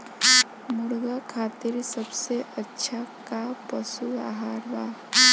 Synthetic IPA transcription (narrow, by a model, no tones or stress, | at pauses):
mʊɽɡakʰaːt̪iɾsɐbseʔɐtːʃʰakapɐsua̰ːɦaːɾʋaː